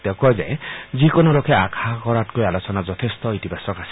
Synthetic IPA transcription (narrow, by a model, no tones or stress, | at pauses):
t̪ekɔjza̰jzikonoɾokʰɛakʰakɔɾatkojalosɔnazɔt̪ʰest̪ɔit̪ibasɔkasi̥